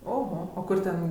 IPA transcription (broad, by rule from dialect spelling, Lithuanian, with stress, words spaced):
oːɣoː oː ˈkʊr ˈtʲɛn